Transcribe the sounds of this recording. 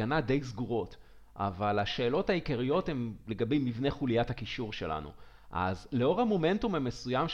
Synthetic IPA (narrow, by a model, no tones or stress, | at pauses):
anad̪ejsɡuʁo̞t | ʔa̰valaʃe̞ːlo̞taikaʁijo̞the̞mle̞ɡabejmivne̞χulijathakiʃuʁʃe̞̰la̰nṵ | ʔa̰zleo̞ʁhamome̞ntumhemːesujam